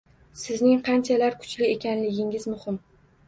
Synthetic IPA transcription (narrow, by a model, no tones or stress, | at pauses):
sɪznɪŋqʰɑnt͡ʃʰalaɾkʰʊ̥t͡ʃlɪe̞kʲanlɪɡʲɪŋɪzmʊhɪm